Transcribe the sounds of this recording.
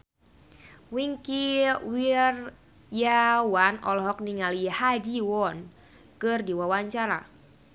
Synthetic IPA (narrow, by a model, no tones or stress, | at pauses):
wiŋkiwir | jawanɔ̰lɔɦɔk̚niŋaljhad͡ʒiwɔn | kɨrdiwawaɲt͡ʃaɾa̰